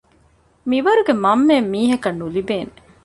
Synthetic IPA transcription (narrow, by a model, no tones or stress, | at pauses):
miʋɐɾuɡemɐmːemːiːɦɐkɐnːulibeːne